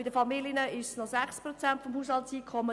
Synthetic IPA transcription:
ɪd̪əfɑmilənəɪʃsnɔsæχspɾɔt͡sænt̪fɔmhuːshɑltsiːkʰχɔmːə

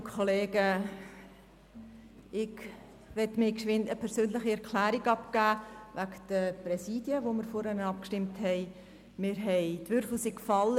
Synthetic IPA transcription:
kʰoleːɡə | ɪɡ | ʋɛtmɪkʃɪnəpʰɛɾsøːnləχiɛɾkʰlæːɾiɡɑpkæːʋækd̥əprɛsiːdjəʋomɪɾfoɾɛnəɑp̚kʃtɪmthɛɪ | mɪːɾɦɛɪdʋʏɾfl̩siːkfɑlː

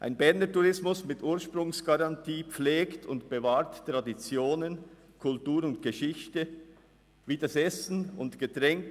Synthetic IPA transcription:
ʔa̰ɪnbɛʁnətuʁɪsmʊsmɪtʔuːɐʃpɾʊŋsɡ̥aʁɑntʰiːpp͡fleːktʰʊntb̥evaːtːʁ̥adit͡sjoːnən | kʰʊltuːɾʊntɡ̥əʃɪçtə | viːdəsɛsn̩ʊntɡ̥ətʁɛŋk

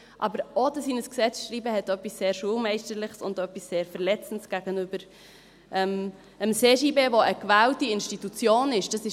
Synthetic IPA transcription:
ʔɑ̰bəɾʔodəsiːnəsksɛt͡sʃɾiːbəhɛtœpːisːeːɾʃuːlmɛɪʃtəɾlɪχsʊndœpːisːeːɾfɛʁlɛt͡sən̩tsɡ̥æɡənybəɾ | ʔɛm | əmseːʃiːbeːvoʔəkvæːltiɪnʃtitut͡sjoːnɪʃd̥ɑsɪ

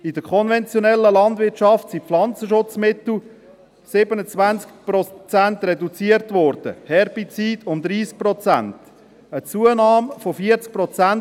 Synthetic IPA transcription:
idəkʰɔnvɛnt͡sjonɛlːəlɑnd̪vɪtʃɑftsipflɑnt͡səʃʊt͡smɪtl̩ | sɪbənət͡svænt͡skpɾɔt͡sænt̪rɛdut͡siəɾtvɔɾd̥ə̰hɛɾbit͡siːdʊmd̪ɾiːsk̚pɾɔt͡sæ̰nt | ət͡suənɑːmfofiəɾt͡sk̚pɾɔt͡sæn

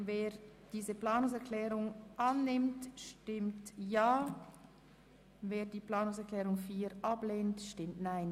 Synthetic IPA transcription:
veːd̥iːzəpl̥aːnʊŋsɛʁkʰlɛːʁʊŋʔanːɪmtʃtɪmtjaː | veːdiːplaːnʊŋsɛklɛːʁʊŋfiːɾʔableːntʃtɪmtnaɪn

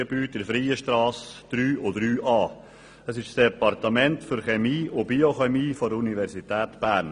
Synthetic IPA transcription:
əbyːtɪɾfɾiːəʃtɾɑːsd̥ɾyːʔʊd̪ɾyːʔɑː | əsɪʃsd̥ɛpɑrtəmɛntfʏɾχɛmiːʔʊbioχɛmiːfɔdunivɛɾsitæːt̪b̥æːɾn

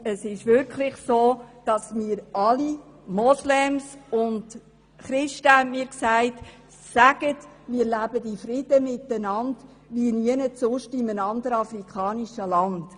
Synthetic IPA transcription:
əsɪʃʋʏɾkʰlɪχsoːd̥ɑsmiːəɾɑli | mɔslɛmsʊnd | χɾɪʃtəhæntmiːɾksæɪt | sæɡ̥ət | miːəɾlæbədifɾɪd̥əmɪtːənɑnd | ʋiniənəsʊʃtɪmənɑnd̪əɾɑfrikχɑːniʃəlɑnd̥

